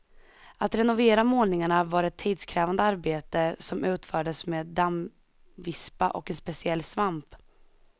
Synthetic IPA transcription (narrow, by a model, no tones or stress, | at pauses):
at̪ɾɛnʊveːɾamoːlnɪŋaɳavaːɾɛt̪ʰːiːd̪skʰɾɛːvand̪əaɾbeːt̪əsɔmʉ̟ːt̪fœːɖəsmeːd̪am | vɪspa̰ʔɔkɛnspɛsɪɛlːsvamp